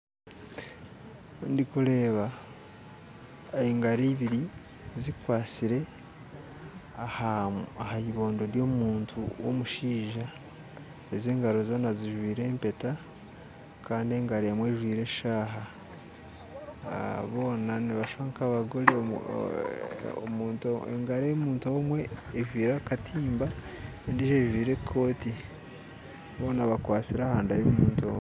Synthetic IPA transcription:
ndikule̞ːβa | eŋɡaɾiβiɾi | zikwaːt͡siɾe̞ | ahahaiβo̞ːndo̞ɾjo̞ːmuːntʰṵwo̰muʃiːʒa | ezeːŋɡaɾo̞zo̞ːnaziʒwiːɾe̞ːmpe̞ta | kaːndie̞ːŋɡaɾeːmwe̞ːʒwiːɾe̞ʃaːɦa | βo̞ːnaniβaʃβaŋkaβaɡole | muːntoḛŋɡaɾemuːntomwe̞ːʒwiːɾakatʰiːmba | ndiʃeʒwiːɾe̞kʰːo̞ːti | βo̞ːnaβakwaːt͡siɾahaːndajemuːntoːm

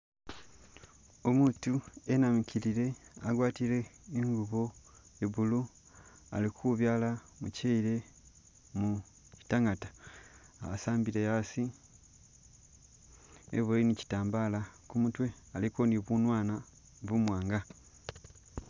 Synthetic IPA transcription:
omuːtuenamicʰiɾiɾe̞aɡwaːtiɾe̞ːŋɡuβo̞eβulu | a̰likʰuβjaːla | mṵceiɾe̞ | mu | ci̥taŋatḁaasaːmbiɾejasi | ḛβoinici̥taːmbaːlakumutwe̞ | alikoniβunwaːna | βumwaːŋɡa

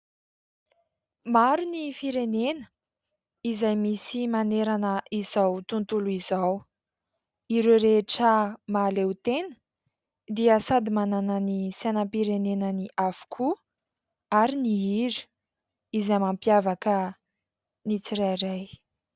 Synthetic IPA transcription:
maɾunifiɾenenə̥ | izajmisimaneɾanəʔizawt̪unt̪uluizaw | iɾeɾeʈ͡ʂəmaːlewt̪enə̥ | d̪iəsad̪imananənisenəmpiɾenenəniʔafu̥kʰu | aɾiniiɾi̥ | izajmampjavakə | nit͡siɾajɾaj

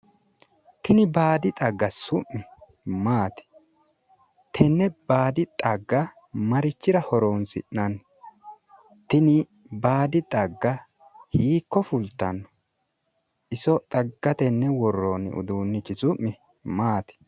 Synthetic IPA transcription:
t̪ɪnɪbaːd̪ɪt̪ʼɐɡːɐsʊʔːɪ | maːt̪ɛ̥ | t̪ʰɛnːɛb̥aːd̪ɪt̪ʼɐɡːɐ | mɐɾɪt͡ʃːɪɾɐhɔɾoːnsɪ̰ʔnɐn | t̪ɪnɪ | baːd̪ɪt̪ʼɐɡːɐ | hiːkːɔfʊlt̪ːɐnːɔ̥ | ʔɪsɔt̪ʼɐɡːɐt̪ɛnːɛwɔrːoːnɪ̰ʊ̰d̪uːnːɪt͡ʃːɪzʊʔːɪ | maːt̪ɪ̥

